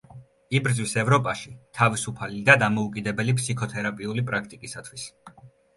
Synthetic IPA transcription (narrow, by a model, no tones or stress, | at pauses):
ibɾd̪zwisɛvɾɔpʼaʃit̪ʰavisupʰalid̪ad̪amɔukʼid̪ɛbɛlipʰsikʰɔt̪ʰɛɾapʼiulipʼɾak̚ʰt̪ʼikʼisat̪ʰwis